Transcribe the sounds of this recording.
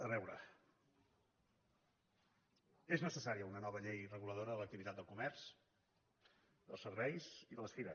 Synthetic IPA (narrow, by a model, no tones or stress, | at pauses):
əβɛwɾə̰ | eznəsəsaɾiəunənɔβəʎejrəɣuləð̞oɾəðələkt̪iβit̪at̪d̪əlˠkumɛɾs | d̪əlˠsəɾβɛjziðələsfiɾəs